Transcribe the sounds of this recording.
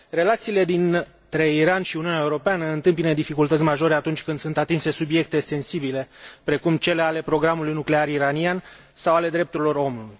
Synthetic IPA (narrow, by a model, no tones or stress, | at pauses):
re̞lat̪siːle̞d̪in | t̪ɾe̞iɾanʃiuniuneaeuɾo̞peanəɨnt̪ɨmpinəd̪ifikult̪ət̪sʲmaʒo̞ɾeat̪unt͡ʃʲkɨnd̪sunt̪at̪inse̞subje̞k̚t̪e̞se̞nsibile̞pɾe̞kumt͡ʃe̞leale̞pɾo̞ɡɾamulujnukle̞aɾiɾanian | sawale̞d̪ɾe̞pt̪uɾilo̞ɾo̞mnuluj